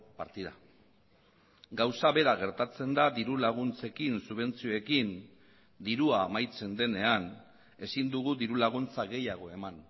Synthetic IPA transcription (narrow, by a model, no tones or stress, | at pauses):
paɾt̪iða | ɡawsaβe̞ɾaɣ̞e̞ɾt̪at͡se̞nd̪ad̪iɾulaɣ̞unt͡se̞kinsuβ̞e̞nt͡sio̞ekin | d̪iɾuaːmajt͡se̞nd̪e̞ne̞an | e̞sind̪uɣud̪iɾulaɣ̞unt͡saɣe̞jaɣ̞o̞e̞man